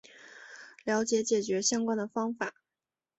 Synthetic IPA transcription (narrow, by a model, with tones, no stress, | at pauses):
ljɑ˧˥ʊt͡ɕjɛ˧˥t͡ɕjɛ˨˩t͡ɕɥɛ˧˥ɕjɑ˥ŋkwa˥nd̪ə˨fɑ˥ŋfa˨˩˦